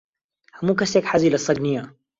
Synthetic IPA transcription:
hamukasekħazilasˤːɑɡnija

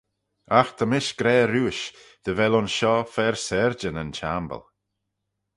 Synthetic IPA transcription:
axd̪̥ʰəmɪʃɡ̥ɾɛːɾuːʃd̪̥əvɛlʊnʃɔfɛɹsɛɹd͡ʒənənt͡ʃambə̰lˠ

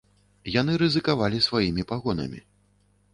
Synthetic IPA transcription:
janɨɾɨzɨkavalʲisvajimʲipaɣɔnɐ̰mʲḭ

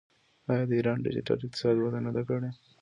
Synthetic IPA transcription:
ɑjɑd̪əiɾɑnɖɪ̰d͡ʒɪ̰ʈa̰lɪk̚qt̪ɪ̥sɑd̪wad̪anad̪akəɽe

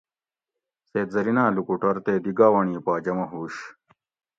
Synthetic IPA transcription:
seːt̪̚zɐɾinaːlukuʈɐɾt̪eːd̪iɡaːwɐɳiːpaːd͡ʑɐmɐɦuːɕ

